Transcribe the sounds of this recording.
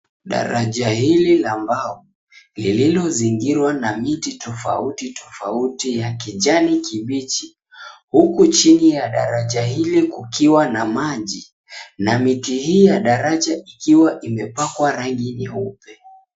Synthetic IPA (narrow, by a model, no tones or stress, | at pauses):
ɗa̰ɾaʄahililambau | lililɔziŋɡiɾwanamititɔfa̰utitʰɔfautijakiʄanikʰiɓit͡ʃi | hukut͡ʃinijaɗa̰ɾaʄahilikukʰiwanamaʄi | namitihiːjaɗaɾaʄaʔikiwaʔimɛpakwaɾaŋɡinaupɛ